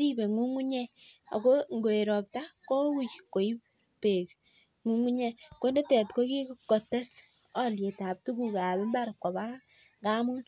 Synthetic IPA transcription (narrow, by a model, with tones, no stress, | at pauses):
ɾi˦be˨ŋu˦ŋu˦ɲɛ˦a̰˨ko˦ŋɡo˨e˨ɾɔ˨p̚ta˦ko˦ku˦˨t͡ʃko˨i˦ | pe˨k | ŋu˦ŋu˦ɲɛ˦ko˦ne˦tɛ˨tko˦ki˦kkːo˨te˦s | ɔ˦lje˨ta˨p̚tu˦ku˦˨ka˨be˦mba˦ɾkːɔ˨ba˦ | ɡa˦mu˦n